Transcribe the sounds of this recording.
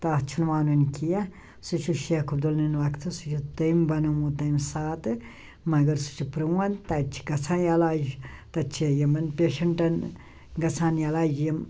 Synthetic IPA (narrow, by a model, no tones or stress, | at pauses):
t̪aːt͡ʃʰunʋaːnunkija | sut͡ʃʰuʃekʰubd̪olninʋɐkt̪ʰɨsut͡ʃʰut̪ɐjmbɐnɐmut̪ɐmsaːt̪ɨ | mɐɡɐɾsu̥t͡ʃʰupɾɨwɐnt̪ɐt͡ʃʰi̥ɡɐsʰaːnjalaːd͡ʒt̪ɐt͡ʃʰejɐmɐnpʲeːʃɐɳʈɐn | ɡɐt͡sʰaːnjalaːd͡ʒjɐm